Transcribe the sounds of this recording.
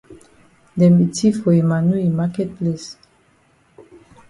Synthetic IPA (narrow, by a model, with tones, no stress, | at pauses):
dɛ˨mbi˨tʰi˦fo˨e˨ma˨nu˦i˨ma˦kɛ˦t̚ple˦s